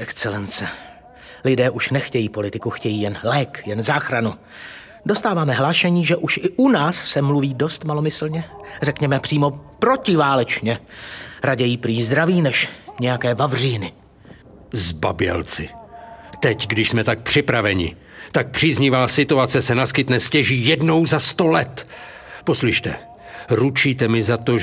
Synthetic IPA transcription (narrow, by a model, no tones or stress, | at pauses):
ʔɛkt̪t͡sɛlɛnt͡sɛ | lɪdɛːʔuʃnɛxcɛjiːpo̞lɪt̪ɪkuxcɛjiːjɛnlɛːkjɛnzaːxɾanu | dost̪aːvaːmɛɦlaːʃɛɲiːʒɛʔuʃʔɪʔunaːsːɛmluviːdo̞st̪malo̞mɪsl̩ɲɛrɛkɲɛmɛpr̥iːmo̞pɾo̞cɪvaːlɛt͡ʃɲɛɾaɟɛjiːpɾiːzd̪ɾaviːnɛʃɲɛjakɛːvavr̝iːnɪ | zba̰bɪɛ̰lt͡sɪ̰t̪ɛcɡdɪʃsmɛt̪ak̚pr̝̥ɪpɾavɛɲɪ̰ | t̪ak̚pr̝̥iːzɲivaːsɪt̪uat͡sɛsɛnaskɪt̪nɛscɛʒiːjɛdno̞wzast̪o̞lɛt̪ | po̞slɪʃt̪ɛ̰ | ɾut͡ʃiːt̪ɛmɪzat̪o